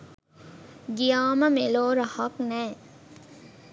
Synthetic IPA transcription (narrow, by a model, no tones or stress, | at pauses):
ɡijaːməmeloːɾəhɐknɛː